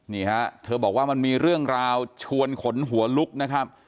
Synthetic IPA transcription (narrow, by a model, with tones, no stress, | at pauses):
niː˥˩ha˦˥t̪ʰɤː˧bɔː˨˩k̚waː˥˩ma˧nmiː˧ɾɯ˥˩əŋɾaː˧wt͡ɕʰu˧ənkʰo˩˦nɦu˩˦ɐlu˦˥k̚na˦˥kʰa˦˥p̚